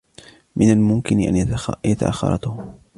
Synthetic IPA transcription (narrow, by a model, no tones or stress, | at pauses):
mɪnalmʊmkɪnɪʔa̰njat̪a̰ʔa̰xːɑ̰ɾˤɑ̰t̪ʊh